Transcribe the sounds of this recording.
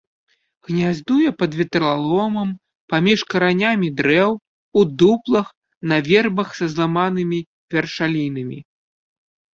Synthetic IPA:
ɣnʲazd̪ujɛpɐd̪vʲɛt̪ɾalˠɔmɐm | pamʲiʂkɐɾanʲamʲid̪ɾɛw | ud̪uplˠɐx | nɐvʲɛrbɐxsɐzlˠamanɨmʲi | vʲɛrʂalʲinɐmʲḭ

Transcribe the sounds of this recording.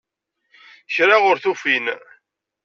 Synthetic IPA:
çɾaʁʊɾθufin

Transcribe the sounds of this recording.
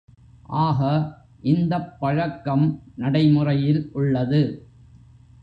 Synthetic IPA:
ʔaːɣɐ | ʔɪnd̪ɐpːɐɻɐkːɐmnɐɽɐɪmɯrɐjɪlʔʊɭːɐðɯ

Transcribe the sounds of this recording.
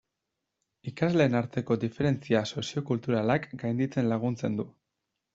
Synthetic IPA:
ikazle̞ːnaɾt̪e̞ko̞d̪ife̞ɾe̞nt͡siaso̞sio̞kult̪uɾalakɡajnd̪it͡se̞nlaɣ̞unt͡se̞nd̪u

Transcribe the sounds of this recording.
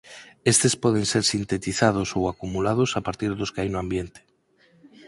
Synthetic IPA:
est̪espɔð̞eŋseɾsint̪et̪iθað̞osowakumulaðosapaɾt̪iɾðoskeajnoãmbjent̪e̥

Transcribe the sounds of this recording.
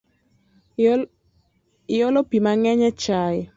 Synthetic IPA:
jɔlɔpimaŋɛɲɛt͡ʃaj

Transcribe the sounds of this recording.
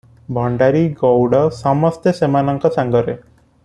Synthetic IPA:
bʱɔɳɖaɾiɡɔwɽɔsɔmɔst̪esemanɔŋkɔsaŋɡɔɾe

